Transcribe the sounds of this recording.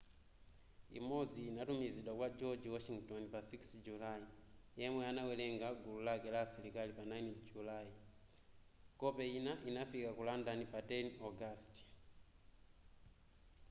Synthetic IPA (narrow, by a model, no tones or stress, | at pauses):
ḭmɔd͡ziːnatumiziɗwakwad͡ʒɔd͡ʒwɔʃiŋɡtɔnpasiksd͡ʒulajijɛmwɛanawɛlɛŋɡaɡululakɛlaːsilikalipanajnd͡ʒulai | kɔpɛjinaʔinafikakulandanipatɛniɔɡast